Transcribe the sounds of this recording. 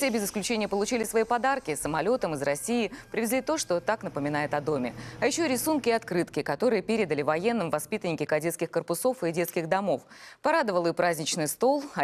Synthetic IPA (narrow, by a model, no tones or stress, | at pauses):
fsʲebʲɪzɨsklʲʉt͡ɕenʲɪjəpəlˠʊt͡ɕilʲɪsvɐipɐd̪arkʲɪsəmɐlʲo̞t̪əmɨzrɐsʲijɪpɾʲɪvʲɪzlʲit̪o̞ʂt̪o̞t̪aknəpəmʲɪnajɪt̪ɐd̪o̞mʲɪ̰ɐjɪɕːoɾʲɪsunkʲɪɐt̪kɾɨt̪kʲɪkɐt̪o̞ɾɨjəpʲeɾʲɪd̪əlʲɪvɐjen̪ːɨmvɐspʲit̪ənʲɪkʲɪkɐdʲe̞t̪skʲɪxkərpʊso̞fɨdʲe̞t̪skʲɪɣd̪ɐmo̞fpɐɾad̪əvəlˠɨpɾazʲnʲɪt͡ɕnɨjst̪o̞lˠɐ